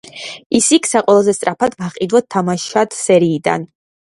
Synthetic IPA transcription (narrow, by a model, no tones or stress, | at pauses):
isikʰsaqʼwɛlˠazɛst̪ʼɾapʰad̪vaχʼid̪wat̪̚t̪ʰamaʃat̪ʰsɛɾiːd̪a̰n